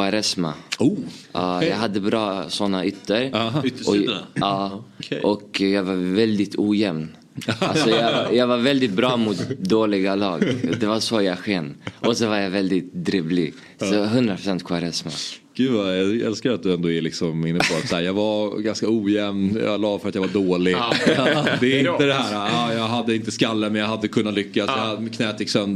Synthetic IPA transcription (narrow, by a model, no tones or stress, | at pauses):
kʰaɾɛsma̰uʔɑːjɑɡɦad̪ːəbɾɑːsɔnːaʏt̪ʰːəɾʔɔɑːʔɔkjɑːɡvaɾvɛld̪ɪt̪ʰuːjɛmn | alsɔjjɑːɡvaɾvɛld̪ɪt̪̚bɾɑːmʊt̪d̪oːlɪɡalɑːɡd̪ɛvasɔjaɡɧɛnːʔɔsɔvaɾjavɛld̪ɪt̪d̪ɾiːvlɪ̰ɡ | sɔɦɵnd̪ɾapɾʊsɛnt̪kʰwaɾɛsma̰ɡ̥ʉːvajɑɛ̰lskaat̪̚d̪ɵɛnd̪oːæɭɪksɔmɪnːəpʰɔat̪sahæːɾjɑːɡvaɾɡanskauːjɛmnjɑ̰lɑːvfœɾat̪javaɖoːlɪɡ | d̪ɛːɾɪnəd̪ɛhæːɾaɑːjɑɡɦad̪ːəɪnt̪əskalːəmɛnjaɦad̪ːəkʰɵnːat̪lʏkːasjadkʰnɛːt̪ʰɪksœnd̪